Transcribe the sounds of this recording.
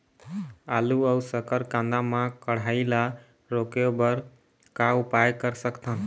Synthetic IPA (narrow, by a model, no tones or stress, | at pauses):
aluəusəkəɾkãnd̪amãkəɽ̤aila | ɾokjobəɾ | kaʊpajkəɾsəkt̪ʰən